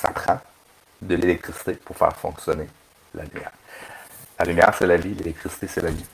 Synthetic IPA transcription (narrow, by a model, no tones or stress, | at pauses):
sa̰pχɑ̃ | d̪əlelɛk̚t̪χisi̥t̪epuʁfɛ̰ːʁfɔ̃ksjɔne | lʔa̰lymjɛ̰ːʁ | lalymjɛːʁsɛlavilelɛk̚t̪χisi̥t̪esɛlavi